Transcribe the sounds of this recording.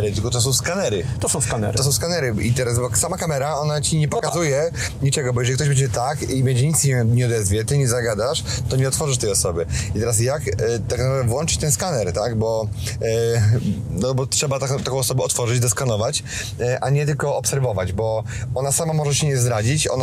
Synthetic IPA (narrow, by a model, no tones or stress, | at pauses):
ɾt̪ɘlkɔt̪ɔs̬ɔ̃w̃skanɛɾɘt̪ɔsɔ̃w̃skanɛ̰ɾɔsɔ̃w̃skanɛɾɘit̪ɛɾasbɔsamakamɛɾaɔnat͡ɕiɲɛpɔkazujɛ | ɲit͡ʂɛɡɔbɔjɛʐɛlikt̪ɔjbɛɲd͡ʑɛt̪akibɛɲd͡ʑɛɲit̪ɲɛɲɛɔd̪ɛzvʲjɛt̪ɘɲɛzaɡad̪aʂt̪ɔɲɛɔt̪fɔʐɨʂ̬t̪ɛjɔsɔbɘit̪ɛɾas̬jakt̪aknapɾad̪ɛvwɔnt͡ʂɨ̥t͡ɕt̪ɛnskanɛɾt̪aɡbɔ | nɔbɔtʂɛbat̪akt̪akɔ̃w̃ɔsɔbɛɔt̪fɔʐɨd͡ʑd̪ɔskanɔvat͡ɕ | ʔaɲɛt̪ɘlkɔɔpsɛɾvɔvad͡ʑbɔ | ɔnasamamɔʐɛɕɛɲɛzd̪ɾad͡ʑit͡ɕɔ̰na